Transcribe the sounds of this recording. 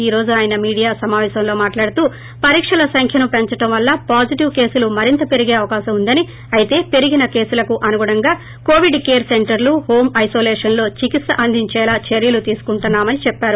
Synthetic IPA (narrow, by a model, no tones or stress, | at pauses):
iːɾo̞ːd͡ʒuaːjɐnɐmiːɽijaːsɐmaːʋɛːsɐmlo̞ːmaːʈlaːɽut̪uː | pɐɾiːkʂɐlɐsɐŋkʰjɐnupeɲt͡ʃɐʈɐmʋɐlːɐpaːd͡ʒiʈiʋke̞ːsulumɐɾint̪ɐpe̞ɾiɡe̞ːɐʋɐkaːʃɐmund̪ɐni | ɐjt̪e̞ːpe̞ɾiɡinɐke̞ːsulɐkuʔɐnuɡɐɽɐŋɡaː | ko̞ːʋiɖkeːɾseɳʈɐɾluho̞ːmɐjso̞ːleːʂɐnlo̞ːt͡ʃikit̪sɐʔɐnd̪ʱiɲt͡ʃɛːlaːt͡ʃeɾjɐlut̪iːsu̥kuɳʈunːaːmɐnit͡ʃɛpːaːɾu